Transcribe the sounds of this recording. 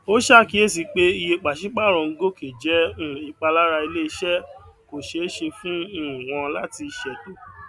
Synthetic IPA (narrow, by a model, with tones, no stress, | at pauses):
o˦ʃa˦˨ki˨˦e˦˨s̬i˨k͡pe˦i˧je˧k͡pa˨ʃĩ˨˦k͡pa˦˨ɾ̃ɔ̃˧ɡo˦kʰe˨d͡ʒɛ̃˨˦˨i˨˦k͡pa˧la˦ɾa˧i˧le˦i˧˦ʃɛ˦ko˨ʃe˨˦ʃe˧fũ˦˨w̃ɔ̃˧la˦ti˧ʃɛ˨do˨˦